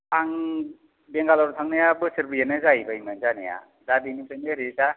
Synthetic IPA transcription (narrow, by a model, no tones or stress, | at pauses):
aŋ | bɛŋɡalaɾut̪ʰaŋnajabɯsɯɾbɯjanɯzajbajmanzanḛja̰ | dadinisʰanaɾiza